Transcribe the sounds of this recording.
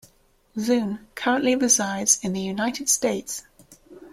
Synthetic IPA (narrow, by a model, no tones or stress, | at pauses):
zʉ̃ːnkʰʌɹə̃nʔliɹɪzaɪdz̥ɪ̃nðəjunaɪtɪd̥steɪts